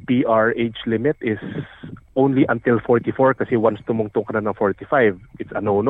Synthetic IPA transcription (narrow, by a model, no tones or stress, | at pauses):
piʔaɹʔejt͡ʃlɪmɪt̪ʔɪsʔõwnliʔɐ̃nt̪ɪlfɔɹt̪ɪfoɹkɐsɛwɐnst̪ʊmʊŋt̪ʊŋkɐnanɐŋfoɹt̪ɪfajvʔɪt̪sɐnown